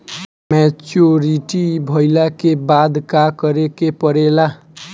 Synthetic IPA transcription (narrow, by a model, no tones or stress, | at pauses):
mɛt͡ʃoɾiʈibʱʌjlakebad̪kakʌɾekepʌɾela